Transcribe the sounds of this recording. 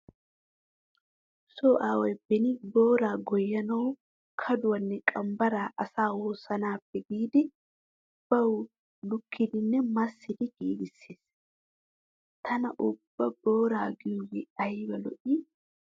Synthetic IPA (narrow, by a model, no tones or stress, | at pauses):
soːʔaːwɛjbɛnɪboːɾaːɡɔjːɐnɐw | kʰɐd̪ʊwɐnːɛkʼɐmbɐɾaːʔɐsaːwoːsɐnaːpːɛɡiːd̪ɪ | b̥ɐwʊ | lʊkʰːɪd̪ɪnːɛmɐsːɪd̪ɪɡiːɡɪsːeːs | t̪ʰɐnɐʔʊbːɐb̥o̞ːɾaːɡɪjʊwɛɐjbɐlɔ̰ʔi